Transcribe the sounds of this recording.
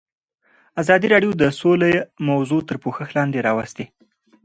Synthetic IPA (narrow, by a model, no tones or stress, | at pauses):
azɑd̪iɾɑɖjod̪əsolajmawzot̪əɾpoxəxlɑnd̪eɾɑwast̪e